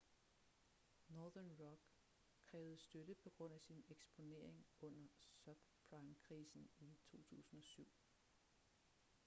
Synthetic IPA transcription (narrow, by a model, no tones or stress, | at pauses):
nɒːðˠɐnʁɒɡ̥ | kʰːʁɛːʊð̩ˠsd̥ød̥əpʰɒ̽ɡ̥ʁɔ̽n̰æsineɡ̥sb̥o̝ne̝̰ɐ̰eŋɔ̽n̰ɐsœb̥pʰʁɑ̈ɪmkʰʁiːsn̩it͡sʰo̝̰ːt͡sʰṵːsn̩ɒ̽syʊ̰